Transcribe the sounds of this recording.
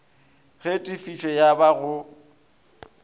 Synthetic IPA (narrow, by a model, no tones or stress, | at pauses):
ɣetʼifit͡ʃʰʼɛjabaɣʊ